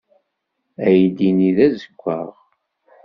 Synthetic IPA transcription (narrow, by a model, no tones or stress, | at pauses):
æjd̪iniðæzəkʷːə̰ʁ